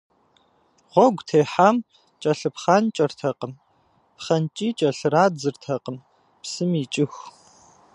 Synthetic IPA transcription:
ʁʷɔɡʷtʰeːħaːm | t͡ʃʼɐɬɨpχaːnt͡ʃʼɐrtʰɐqəm | pχɐnt͡ʃʼiːt͡ʃʼɐɬɨraːd͡zɨrtʰɐqʼəm | psɨmiːt͡ʃʼɪxʷ

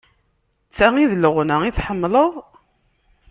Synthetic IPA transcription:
t͡sːæiðləʁnəiθħəmːləðˤ

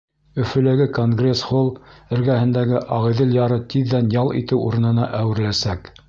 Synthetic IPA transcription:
ɵ̆fɵ̆lɘ̆ɡɘkoŋɡrʲesχolˠɘ̆ɾɡæhɘ̆nd̪æɡɘʔɑʁɤðɘljɑɾɤt̪iðːænjɑlˠḭt̪ɘwṵɾɤ̆nɤ̆nɑʔæwɘ̆ɾlæsæk

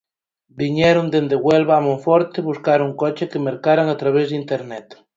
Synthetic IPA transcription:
biɲeɾond̪end̪eɣwelβaːmõɱfoɾt̪eβuskaɾuŋkot͡ʃekemeɾkaɾaŋat̪ɾaβ̞ezðint̪eɾnɛt̪

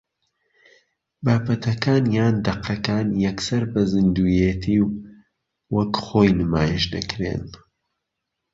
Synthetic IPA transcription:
baːpɐt̪ʰɐkaːnjaːnd̪ɐqʰɐkaːnjɐksɐɾbɐzɨnd̪uːjet̪ʰiːw | wɐkχoːjnɨmaːjiʃdɐ̰kɾḛn

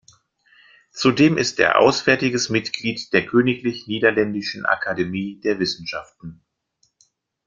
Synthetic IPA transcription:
t͡sudeːmʔɪstʔḛːɐʔa̰ʊsv̥ɛɐtɪɡəsmɪtɡ̥liːtd̥eːɐkʰøːnɪklɪçniːdɐlɛndɪʃn̩ʔa̰kʰademiːdeːɐvɪsn̩ʃaftn̩

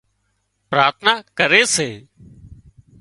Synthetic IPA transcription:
pɾaːɾt̪ʰnaːkəɾeːseː

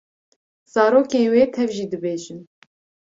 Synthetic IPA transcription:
z̥ɑːɾoːkeːnweːt̪ʰɛvʒiːd̪ɨbeːʒɨn

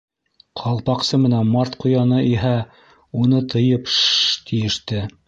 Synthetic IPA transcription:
qʰɑlˠpɑqsɤmɘ̆nænmɑɾt̪qŭjɑnɤʔiɦæ | unɤt̪ɤ̆jɤpt̪ijɘ̆ʃt̪ɘ

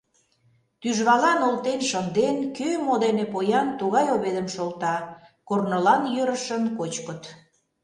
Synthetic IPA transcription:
t̪yʒβɑlɑnolt̪enʃənd̪enkømod̪enepojɑnt̪uɣɑjoβed̪əmʃolt̪ɑkornəlɑnjøɾəʃənkot͡ɕkət̪

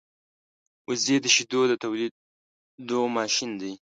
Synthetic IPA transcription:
ʊzed̪əʃid̪od̪ət̪awli | d̪omɑʃind̪ij

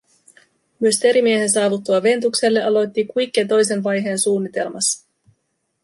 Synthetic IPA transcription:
myø̞st̪e̞ɾimie̞ɦe̞ns̬ɑːʋut̪ːuɑʋe̞nt̪ukse̞lːeʔɑlo̞jt̪ːikujk̟ːet̪o̞js̬e̞nʋɑjɦe̞ːnsuːnːit̪e̞lmɑsːɑ̥

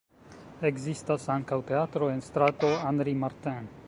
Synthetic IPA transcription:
eɡzist̪asaŋkawt̪e̞at̪ɾoenst̪ɾat̪o̞and̪ɾimaɾt̪ɛ̃n

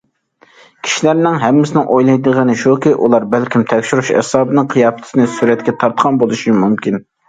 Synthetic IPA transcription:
kʲʰi̥ʃilæɾnɪŋɦɛmːɪsɪnɪŋʔojlˠɑjd̪əʁənɨʃukʲiʔulˠɑɾbælkʲʰimt̪ʰɛkʲʃuɾuʃɛ̰sɑːbɨnɨŋqʰijɑːfɛ̥t̪ʰsɪnɪsuɾɛt̪kʲɛt̪ʰɑɾt̪qʰɑnbolˠuʃimumkʲin

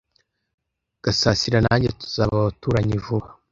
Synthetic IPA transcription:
ɡ̥asaːsiɾanaɲɟetu̥z̥aːβaβatuːɾaɲivuβa

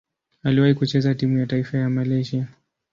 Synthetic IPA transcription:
aliwahikut͡ʃɛzatimujataifajamalɛʒia

